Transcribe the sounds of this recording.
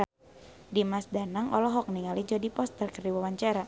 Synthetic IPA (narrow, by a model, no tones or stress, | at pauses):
a | dimasdanaŋɔlɔɦɔk̚niŋalid͡ʒɔdipɔst̪ərkərdiwawaɲt͡ʃaɾa